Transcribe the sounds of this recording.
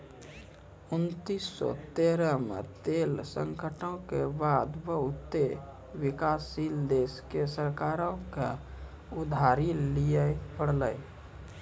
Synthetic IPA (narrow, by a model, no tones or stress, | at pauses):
unt̪isːɔ̰t̪eɾəmḛt̪elsəŋkəʈõkebad̪bəɦut̪ːe | wikasild̪eskesəɾkaɾõke | ud̪ʱaɾilijəpəɽləj